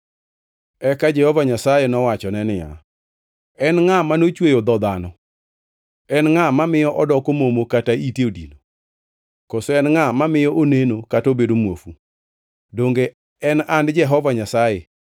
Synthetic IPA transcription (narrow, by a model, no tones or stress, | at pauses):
ɛkad͡ʒɛhɔvaɲasajenɔwat͡ʃɔnɛnɪja̰ | ɛnŋamanot͡ʃwejod̪ɔd̪anɔ | ɛnŋamamɪjɔʔɔdɔkomomokataiteodḭno | kosoɛnŋamamɪjɔʔonenokatobedomwofu | doŋɡe | ɛnandd͡ʒɛɦɔvaɲasaje